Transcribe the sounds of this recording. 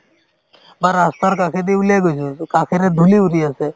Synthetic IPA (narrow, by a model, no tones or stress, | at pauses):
baɾəst̪aɾkakʰed̪iuleɡosukakʰeɾed̪ʱuliuɾiəse